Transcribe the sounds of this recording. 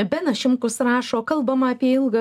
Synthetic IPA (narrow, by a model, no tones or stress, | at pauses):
bʲɛnɐʃʲɪmkʊsɾɑːʃoːkɐlˠbɐmɐɐpʲiɛɪlˠɡɐ